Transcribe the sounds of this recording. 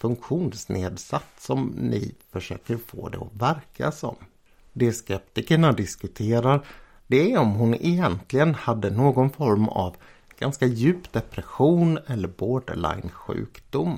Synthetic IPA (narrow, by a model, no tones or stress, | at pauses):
fɵŋkɧuːnsneːd̪sat̪ssɔmnɪ̰fœʂø̰ːkəɾfo̰ːd̪ɛ̰ɔvæɾkʰa̰sɔ̰m | d̪ɛskɛpt̪ɪkəɳad̪ɪskɵt̪ʰeːɾaɾ | d̪ɛæɔmɦʊnɛjɛnt̪ʰlɪɡənhad̪ːənoːɡɔnfɔɾma̰v | ɡ̥anskajʉ̟ːpd̪ɛpɾɛɧuːnɛlːəɾboːɖɭa̰ɪnɧʉ̟̰ːkd̪ʊmː